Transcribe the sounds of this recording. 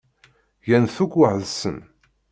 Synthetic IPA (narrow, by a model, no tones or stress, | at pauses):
jænθukʷːəʕðsən